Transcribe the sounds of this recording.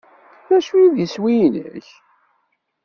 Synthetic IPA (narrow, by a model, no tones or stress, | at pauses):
æʃujiðiswinəç